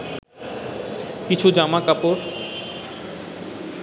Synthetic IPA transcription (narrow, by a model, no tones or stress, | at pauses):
kit͡ɕʰud͡ʑamakapoɾ